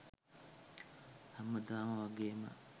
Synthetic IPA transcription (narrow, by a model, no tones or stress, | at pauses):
hɐməd̪aːmɐʋaɡeːmə̰